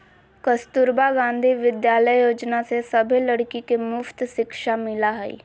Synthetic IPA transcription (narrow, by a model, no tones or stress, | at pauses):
kəst̪ʊɾbaɡãːnd̪ʱiʋɪd̪jaːləjjoːd͡ʒnasesəbʱiləɽkikemʊft̪ʃɪkʃamɪlaɦɛḭː